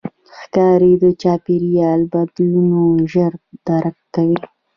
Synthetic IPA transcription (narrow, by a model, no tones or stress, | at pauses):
xkɑɾed̪ət͡ʃɑpiɾijɑlbad̪lunoʒəɾd̪̥aɾakːawi